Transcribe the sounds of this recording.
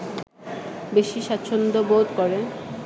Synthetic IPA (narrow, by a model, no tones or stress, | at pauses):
beʃiʃatːɕʰond̪obod̪koɾe